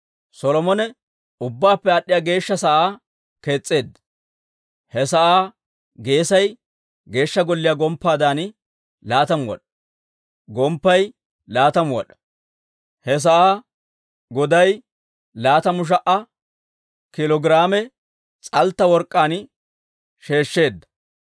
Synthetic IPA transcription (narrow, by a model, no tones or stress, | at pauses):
sɔlɔmɔnɛ | ʊbːaːpːɛɐɗɪjaːɡe̞ːʃːɐsɐʔaː | ke̞ːt͡sʼːe̞ːd̪ːɐ̥ | hɛs̬ɐʔaː | ɡe̞ːsɐj | ɡe̞ːʃːɐɡɔlːɪjaːɡɔmpːaːd̪aːn | laːt̪ɐmʊwɔ̰ɗɐ̥ | ɡɔmpːɐj | laːt̪ɐmwɔ̰ɗɐ̥ | hɛs̬ɐʔaː | ɡɔd̪ɐj | laːt̪ɐmʊʃ̬ɐʔɐ | kɪlɔɡɪɾaːmɛ | t͡sʼɐlt̪ːɐwɔɾkʼːaːn | ʃe̞ːʃːe̞ːd̪ːɐ̥